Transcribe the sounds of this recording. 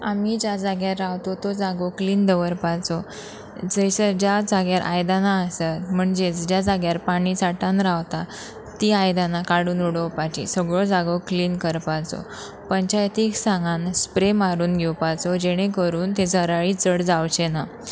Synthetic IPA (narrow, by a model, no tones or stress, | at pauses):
amid͡ʑjad͡zaɡjaɾːawt̪ɔt̪od͡zaɡokliːnd̪əʋəɾpat͡sɔ | d͡zəjsəd͡ʑad͡zaɡjaɾʔa̰jd̪anaəsat̪m̤əɳd͡ʑed͡zd͡ʑjad͡zaɡjaɾpaɽ̃isaʈãnɾaʋt̪a | t̪iajd̪anakaɽuːnuɽəwpat͡ɕḭsəɡɭod͡zaɡokliːnkəɾpat͡sɔ̰ | pəɲt͡ɕajt̪iksãŋɡanspɾemaɾuːnɡʱɛwpat͡sɔd͡ʑeɽ̃ekəɾuːnt̪ed͡zʱəɾaɭit͡səɽd͡zawt͡ɕena